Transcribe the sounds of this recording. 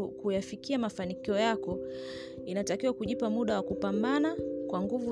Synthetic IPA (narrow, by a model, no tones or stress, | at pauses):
kujafikiamafanikiɔjakɔ | inatakiwakuʄipamuɗawakupambanakwaŋɡuvu